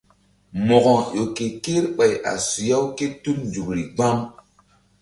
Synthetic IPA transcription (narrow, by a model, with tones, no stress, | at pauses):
mɔ˨ɡɔ˨jo˨ke˨ke˦ɾɓa˨ja̰˨su˨ja˦wke˦tu˦md͡ʒu˨kɾi˨ɡ͡ba˦ŋ